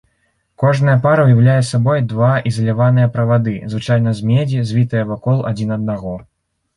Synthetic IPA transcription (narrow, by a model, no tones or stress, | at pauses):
kɔʐnɐjɐpaɾɐwjawlʲajɛsabɔjd̪vaizɐlʲavanɨjɐpɾɐvad̪ɨzvɨt͡ʂajn̪ɐzʲmʲed͡zʲizʲvʲit̪ɨjɐvakɔlˠad͡zʲinɐd̪̚naɣɔ